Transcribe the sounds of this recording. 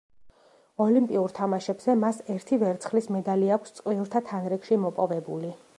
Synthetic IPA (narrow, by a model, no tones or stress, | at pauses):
ɔlimpʼiuɾt̪ʰamaʃɛbz̥ɛmasɛɾt̪ʰivɛɾt̪sʰχlismɛd̪aliakʷʰst̪sʼqʼwiɾt̪ʰat̪ʰanɾɛkʃimɔpʼɔvɛbuli